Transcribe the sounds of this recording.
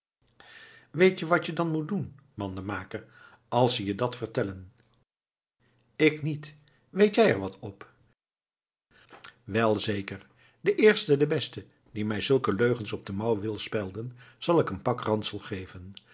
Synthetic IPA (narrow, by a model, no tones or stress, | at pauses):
ʋejtjəʋɑtjədɑnmut̚dunmɑndəmaːkər | ɑlˠsəjədɑtfərtɛlən | ɪknit | ʋejtjɛjɛɹʋɑtʰɔp | ʋɛlˠzejkəɹ | dəʔɪːɹstədəbɛstə | dimɛjzɵlˠkəløɥχənsɔb̚dəmɑwʋɪlˠspɛlˠdənz̥ɑlˠɪkənpɑkrɑntsəlˠχejvən